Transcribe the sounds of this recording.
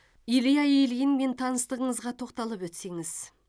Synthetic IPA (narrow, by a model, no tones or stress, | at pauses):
ilijɑjejlɪɡʲɪnme̞nt̪ʰɑnəst̪əʁəɴəzʁɑt̪ʰo̞qt̪ɑlˠəpwɵt̪se̞ŋɪz̥